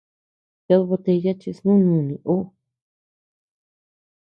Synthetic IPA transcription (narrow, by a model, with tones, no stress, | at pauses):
ja˧ðβo˧t̪e˧ja˦t͡ʃi˧snũ˦ɲũ˧˨nĩ˨ʔo˦